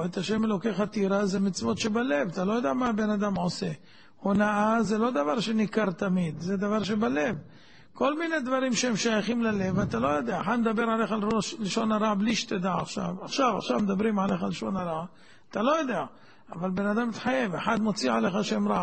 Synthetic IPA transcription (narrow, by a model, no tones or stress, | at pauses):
et̪aʃe̞melo̞keχat̪iɾazemit͡svo̞t̪ʃebale̞vat̪alo̞jod̪eamaːbe̞nad̪amʕose | honaʔazelo̞d̪avaʁʃe̞nikaʁt̪amid̪zed̪avaʁʃ̬e̞bale̞v | ko̞lmine̞d̪vaɾimʃehemʃajaχimlale̞vat̪alo̞jo̞d̪eaːħad̪med̪abe̞ɾʕaleχaloʃleʃo̞naɾabliʃt̪ed̪aaχʃa̰vaχʃava̰χʃavmed̪abɾimʕaleχalʃo̞naɾa | at̪alo̞jo̞d̪ea | avalbe̞nad̪amit̪ħaje̞veħad̪mo̞t͡siʕale̞χaʃemɾa